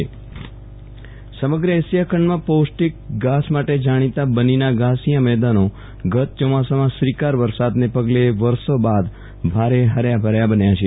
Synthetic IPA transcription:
e | səməɡɾəesjakʰəɳmãposʈik̚ɡasmaʈed͡ʒaɽ̃it̪abəninaɡasijãmɛɦd̪ano | ɡət̪̚t͡ʃɔmasamãsʋikaɾʋəɾsad̪nepəɡleʋəɾsobad̪ | bʱaɾeɦəɾjabʱəɾjabənjat͡ʃʰe

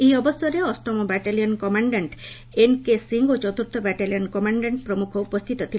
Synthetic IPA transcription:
ejɔbosoɾeɔsʈɔmobɛʈalijonkɔmaɳɖeɳʈ | enkesiŋɡot͡ɕɔt̪uɾt̪ʰobɛʈalionkɔmaɳɖeɳʈ̚pɾomukʰoupost̪ʰit̪ot̪ʰi

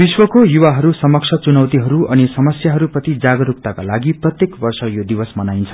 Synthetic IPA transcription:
biswʌkojuwaɦʌɾusʌmʌksʰʌt͡sunʌwt̪iɦʌɾuʌnisʌmʌsjaɦʌɾuprʌt̪id͡zaɡʌɾup̚t̪akalaɡiprʌt̪jekbʌrsʌjod̪ibʌsmʌnajnt͡sʰʌ̥

